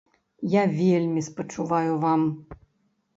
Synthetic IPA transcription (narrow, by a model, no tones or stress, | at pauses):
javʲelʲmʲispɐt͡ʂuvajʊvam